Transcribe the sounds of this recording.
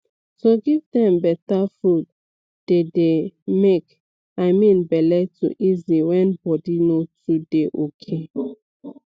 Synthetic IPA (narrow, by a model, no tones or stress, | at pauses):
toɡivdɛ̃mbɛtafud̚ | d̥edemek | aɪmĩnbɛlɛtṵʔiziwɛ̃nbɔdinotʰideʔokʰe